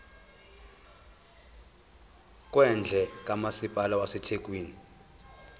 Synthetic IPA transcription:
k̬ʼwɛnd͡ɮʱɛkʼamasipʼalawasɛtʰekʼwiːni

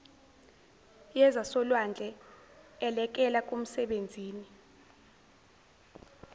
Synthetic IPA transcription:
jɛzasɔlwand͡ɮʱɛ | ɛlɛk̬ɛlak̬ʼom̩sɛɓend͡zʱiːni

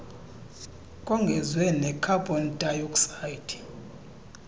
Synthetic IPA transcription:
kʼɔŋɡʱɛzwɛnɛkʰabʱʼɔndʼajuksajitʰi̥

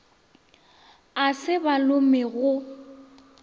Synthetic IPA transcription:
asɪbalʊmɪɣʊ

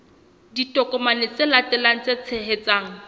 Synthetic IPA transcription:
ditʼɔkʼɔmanɪt͡sɪlatɛlaŋ̩t͡set͡sʰeɦet͡saːŋ̩

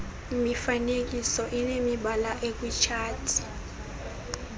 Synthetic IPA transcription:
imifanek̬ʼisɔʔinemiɓalaʔek̬ʼwit͡ʃʰaːtʰi̥

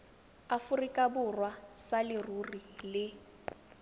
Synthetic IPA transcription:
afʊrikʼabʊrwasalɪrurilɪ

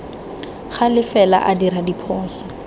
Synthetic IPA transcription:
χalɪfɛla̰ʔadiɾadipʰɔːsḁ

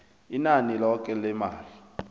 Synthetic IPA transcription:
inanilɔk̬ʼɛlɛmaːli

